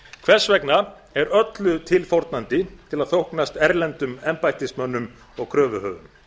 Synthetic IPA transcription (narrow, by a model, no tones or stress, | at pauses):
kʰvɛr̥svɛkna | ɛɾœt̪lʏt̪ʰɪlfowɾt̪̚nant̪ɪt̪ʰɪlaðθowhknast̪ɛɾlɛnt̪ʏmɛmpajht̪ɪsmœnːʏm | ɔɣkʰɾœːvʏhœːvʏm